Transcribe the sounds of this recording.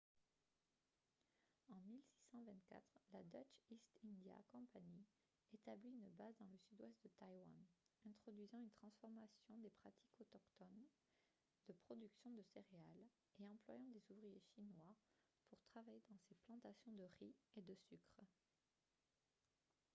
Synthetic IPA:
ɑ̃milsi̥sɑ̃vɛ̃t̪kʲa̰t̪χlad̪at͡ʃist̪ĩnd̪ja̰kɔ̃paɲi | et̪abliynbazd̪ɑ̃ləsyd̪wɛst̪̚d̪ət̪ajwa̰nɛ̃t̪χɔd̪ɥizɑ̃ynt̪χɑ̃sfɔʁmasjɔ̃d̪epχat̪ʰi̥kʰɔt̪ɔkt̪ɔn | d̪̥əpχɔd̪yksjɔ̃d̪əseʁeal | eɑ̃plwajɑ̃d̪ezuvʁijeʃinwa | puʁt̪χavajed̪ɑ̃seplɑ̃t̪asjɔ̃d̪əʁied̪əsykχ

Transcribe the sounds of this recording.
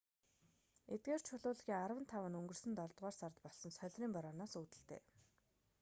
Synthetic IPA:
et̪̚ɡeːr̥t͡ɕʰʊɮʊːɮɣʲiːŋarwə̆nt̪ʰawə̆nɵŋɡɵ̆rsɵ̆nt̪ɔɮt̪ʁɔːrsart̪pɔɮsɞ̆nsœɮʲriːmpaɾɔːnaːsuːt̪ɘ̆ɬt̪ḛː

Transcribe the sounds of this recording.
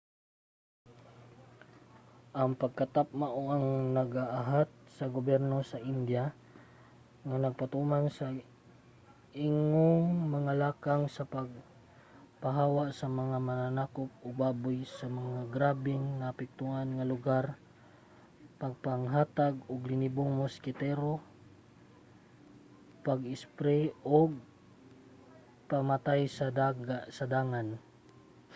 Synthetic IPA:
ʔaŋpaɡ̚kat̪ap̚maʔoʔaŋnɐɡaʔaɦat̪̚sɐɡobɛɾno̞saʔɪnd̪ja | ŋanɐɡ̚pat̪umansa | ʔɪŋoŋmaŋalaːkaŋsɐpaɡ̚ | paɦaːwaʔsɐmɐŋamananaːkop̚ʔʊɡ̚baːbʊjsamaŋaɡɾaːbɪŋːaːpɪk̚t̪uʔanŋalʊɡaɾ | paɡ̚paŋɦaːt̪aɡʊɡlɪniboŋmoskɪt̪ɛɾo | paɡɪspɾɛoɡ̚ | pamat̪ajsaaɡasad̪aːŋan

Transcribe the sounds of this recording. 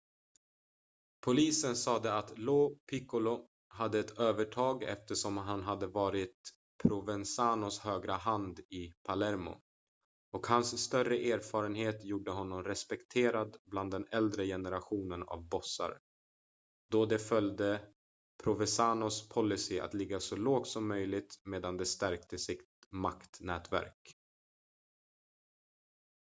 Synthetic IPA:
pʰʊliːsənsɑːd̪ɛat̪loːpʰɪkʊlʊ | ɦad̪ːəɛt̪ʰøːvəʈʰɑːɡɛ̰ft̪əʂɔmɦanɦad̪ːəvɑːɾɪt̪̚ | pʰɾʊvɛnsaːnʊshøːɡɾaɦand̪ɪpʰalɛɾmʊ̰ | ɔkhansːt̪œrəʔeːɾfɑːɾənheːt̪juːɖəɦɔnːɔmɾɛspɛkt̪ʰeːɾad̪bland̪ːɛnɛld̪ɾəjɛnəɾaɧuːnəna̰vbɔsːa̰ɾ | d̪ɔd̪ɛfœld̪ə | pʰɾʊvɛsaːnʊspʰɔlːɪsɪa̰t̪lɪɡːasɔloːɡ̚t̪sɔmːœjlɪɡ̚t̪meːd̪and̪ɛst̪æɾkt̪əsɪt̪makt̪nɛːt̪væ̰ɾk

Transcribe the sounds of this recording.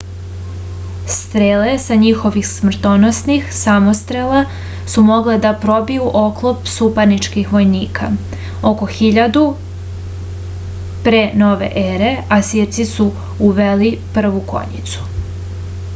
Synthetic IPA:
st̪ɾele̞saɲixo̞ʋixsmr̩t̪onosnixsamost̪ɾela | sumo̞ɡled̪apɾo̞bijuʔo̞klˠopsupanit͡ʃkixʋo̞jniːkʰa̰ | o̞ko̞xiʎad̪u | pɾeno̞ʋḛʔeɾe̞asiɾt̪sisu | uʋelipr̩ʋuko̞̰ɲḭt̪su̥

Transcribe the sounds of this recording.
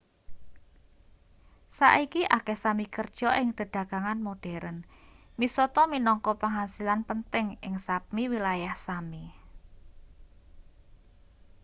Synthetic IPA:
sa̰ʔikiʔakɛhsamikərd̥ʒ̥ɔ̤ʔɪŋd̪̥ə̤ɖ̪̥a̤ɡ̥aŋanmoɖ̥ɛɾənmisɔt̪ɔminɔŋkɔpəŋɦasilanpənt̪ɪŋɪŋsap̚miwilajahsami

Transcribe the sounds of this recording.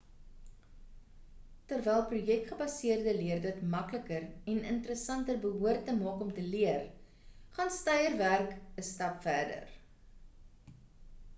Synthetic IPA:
tərvɛjlˠprujɛk̚tχəbɐsiərdəliərdətmɐkləkərɛnəntəɾəsɐntərbəɦuərtːəmɑːkɔmtəliər | χɑnstɐjərværkəstɐpfærdə̰r

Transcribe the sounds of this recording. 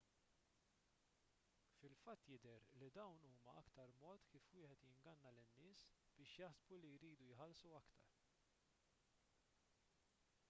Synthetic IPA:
fɪlfɐt̪ːjɪd̪ɛɾlid̪ɐwnuːmɐʔɐkt̪ɐɾmɔːt̪kiːfwɪːħɛt̪jɪŋɡɐnːɐlɪnːɪːsb̥ɪːʃjɐħsbulijɾiːd̪ujħɐlsuɐkt̪ɐ̰ɾ

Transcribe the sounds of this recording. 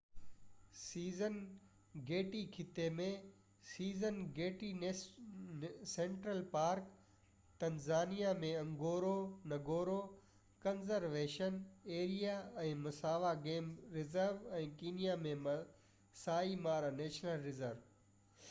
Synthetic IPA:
siːzən | ɡeːʈikʰɪt̪emẽ | siːzənɡeːʈin | sẽːɳʈɾəlpaːɾk | t̪ɐnzaːnijamẽɐ̃ŋɡoːɾonɐɡoːɾo | kɐnzəɾʋeːʃəneːɾijaɛ̃ːmɐsaːʋaɡeːmɾɪzəɾʋɛ̃ːkiːnijamẽmɐ | saːimaːɾaneːʃnəlɾɪzəɾʋ

